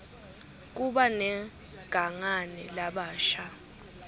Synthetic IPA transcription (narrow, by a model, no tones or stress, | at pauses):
k̬uɓanɛ | ɡ̥ʱaŋanɛlaɓaːʃa